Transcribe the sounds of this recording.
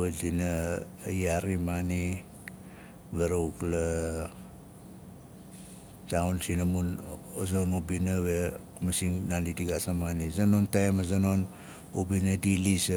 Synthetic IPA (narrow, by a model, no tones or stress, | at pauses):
azina | jaɾimani | beɾoukla | taunsinamunozonubinaβekumasiŋnanidiɡasamanizanontaemazanon | ubinadilis